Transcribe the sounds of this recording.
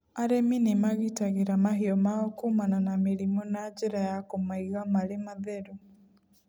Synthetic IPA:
aɾɛminemaɣitaɣeɾamaɦeɔmaɔkumananameɾimɔnad͡ʒeɾajakomaiɣamaɾemaðɛɾu

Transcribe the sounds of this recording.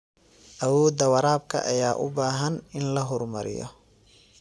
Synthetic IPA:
ʔɐwɔːd̪ɐwɐɾaːb̚kʰɐ̰ʔɐjaːʔʊbaːɦɐnɪnlɐɦɔrmɐɾɪ̰jɔ̰

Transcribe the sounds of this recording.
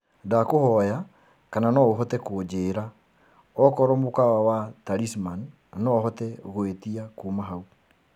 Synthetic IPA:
dakohɔja | kananɔoɦɔtɛkod͡ʒeːɾa | ɔkɔɾɔmokawawataɾisman | nɔɦɔtɛɣoetiakomaɦau

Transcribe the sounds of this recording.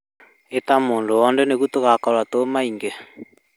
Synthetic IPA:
etamoːndoɔndɛneɣutoɣakɔɾwatomaiŋɡe

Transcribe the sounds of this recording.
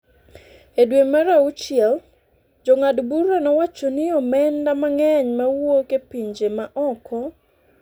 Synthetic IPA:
edwemaɾaut͡ʃɪɛl | d͡ʒɔŋadbuɾɔnɔwat͡ʃonɪɔmɛndamaŋɛɲmawokepiɲd͡ʒemaʔɔkʰɔ

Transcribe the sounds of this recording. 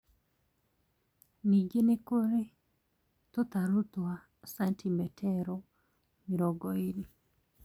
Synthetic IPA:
niɡenekoɾe | t̪ɔt̪aɾut̪wa | santʰimɛtʰɛɾɔ | miɾɔɡɔini

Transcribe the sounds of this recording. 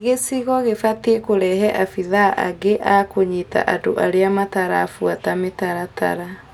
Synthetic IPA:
ɣesiɣɔɣefatiekoɾɛɦɛʔafiðaʔa̰ɡeʔakoɲita̰ʔadoʔaɾeamataɾaːfuatametaɾata̰ɾa

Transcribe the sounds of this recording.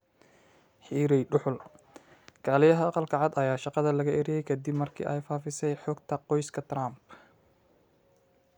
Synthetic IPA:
ħiːɾɛjɖʊħʊl | ɡ̥ʰaːlɪjɐɦɐɑqɑlkʰɐʕɑd̪ɐjaːʃɑqɑðɐlɐɣɐʔɪɾɛjɛjkʰɐd̪ɪbmɐrkʰḭːʔɛjfaːfɪsɛjħɔːɡt̪ʰɐqɔjskʰɐt̪ʰɾamb

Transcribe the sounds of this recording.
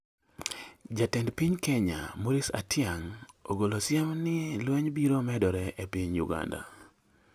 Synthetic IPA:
d͡ʒatɛndpiɲkɛɲa̰moɾisa̰tʰjaŋoɡolosjamnɪlwɛɲbiɾomɛdɔɾɛʔepiɲjʊ̰ɡa̰nda̰

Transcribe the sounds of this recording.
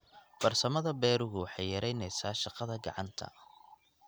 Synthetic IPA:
fɐrsɐmɐðɐbɛːɾʊɣʊwħɑjjɐɾɛjnɛjsaːʃɑqɑðɐɡɑ̰ʕɑ̰nt̪ʰɐ̰

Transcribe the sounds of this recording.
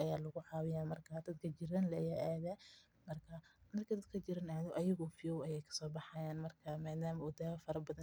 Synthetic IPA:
ʔɐjaːlɐɣʊħɑːwɪjaːmɐrkʰad̪ɐd̪kʰɐt͡ʃɪɾanlɐjaʔaːðɐ | mɐrkʰɐmɐrkʰɐd̪ɐd̪̚kʰɐt͡ʃɪɾɐnaʕðɪʔɐjɐɣɔfɪjɔwɐjɛjkʰɐ̥sɔːbɑħɑjaːnmɐrkʰɐmaːðaːmɐʊd̪aːɐfɐɾɐbɐðɐn

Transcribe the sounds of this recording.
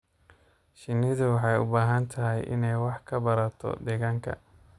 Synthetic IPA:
ʃɪnːɪðʊwɑħɑjʊ̰baːɦɐnt̪ʰɐɦɛjʔɪ̰nɛjwɑħkʰɐbɐɾɐt̪ʰɔ̰d̪ɛɣaːŋkʰɐ̰

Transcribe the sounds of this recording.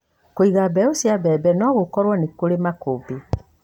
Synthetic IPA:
koiɣabɛosiabɛːbɛnɔɣokɔɾwɔnekoɾemakobe

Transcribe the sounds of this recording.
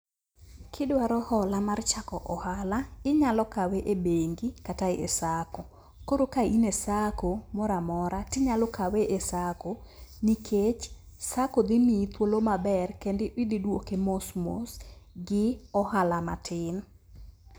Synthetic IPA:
kʰɪdwaɾɔhɔlamart͡ʃakɔʔɔhalaɪɲalɔkaweʔebeŋɡikataɪʔesako | koɾokainesakomɔɾamɔɾatɪɲalokaweʔesakonikʰet͡ʃ | sakod̪ɪmit̪wolomabɛrkendɪwɪdɪdwokemosmo̰sɡɪɔhalamatʰɪn

